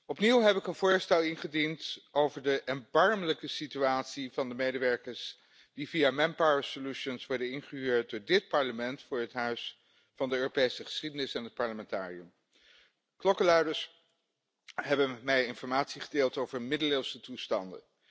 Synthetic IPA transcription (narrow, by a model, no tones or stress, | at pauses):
ɔpniwɦɛpɪkənvʊːɹstɛlˠɪnχədintowvəɹdəʔɛnbɑɹmələkəsityaːtsivɑndəmejdəʋɛɹkəɹs | d̥ivijaːmɛmpaɹesoluʃənsʋɔɹdənɪnχəɦyːɹt̚dʊːɹdɪt̚pɑɹləmɛntfʊːɹɦətɦœɥs | fɑndəøːropejsəχə̥sχidənɪsɛnɦət̚pɑɹləmɛntaːriəm | klɔkəlœɥdəɹs | ɦɛbənmɛjɪnfɔɹmaːtsiχədeːlˠtowvəɹmɪdəlɪlˠsətustɑndə̰n